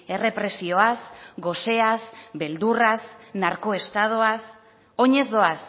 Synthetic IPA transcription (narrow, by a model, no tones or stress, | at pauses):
e̞re̞pɾe̞sio̞asɡo̞se̞azbe̞ld̪urasnaɾko̞e̞st̪að̞oas | o̞ɲe̞zðo̞as